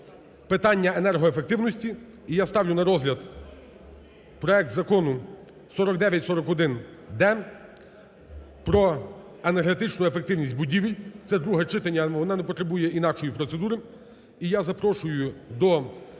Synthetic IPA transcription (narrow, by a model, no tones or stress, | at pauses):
pɪt̪ɑnʲːɐenɛrɦɔefek̚t̪ɪwnɔsʲtʲi | ijast̪ɑwlʲʊnɐɾɔzlʲɐd̪ | pɾɔɛk̚t̪zɐkɔnʊ | sɔɾɔk̚d̪ɛʋʲjɐtʲsɔɾɔkɔd̪ɪn | d̪ɛ | pɾɔ | enerɦet̪ɪt͡ʃnʊefek̚t̪ɪwnʲisʲtʲbʊdʲiʋʲijt̪sɛd̪ɾuɦɛt͡ʃɪt̪ɐnʲːɐʋɔnɛnɛpɔt̪ɾebujɛʔinɑkʃɔjipɾɔt̪sed̪uɾɪ | ijazɐpɾɔʃʊjʊd̪ɔ